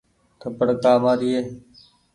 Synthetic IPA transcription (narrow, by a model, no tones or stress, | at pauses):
kʰəpəɽkaːmaːɾiːeː